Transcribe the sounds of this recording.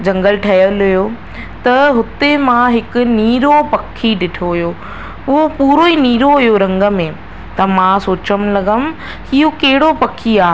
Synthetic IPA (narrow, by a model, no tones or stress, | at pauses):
d͡ʑɐ̃ŋɡəlʈʰɐjəlɦʊjo | t̪ɐɦʊt̪emãɦɪkʊ̆niːɾopɐkʰːiɖɪʈʰoɦʊjo | ʊɦopuːɾoiniːɾoɦʊjoɾɐ̃ŋɡə̆mẽ | t̪ɐmãsoːt͡ɕəmlɐɡəm | hijokɐɦɪɽopɐkʰːiaː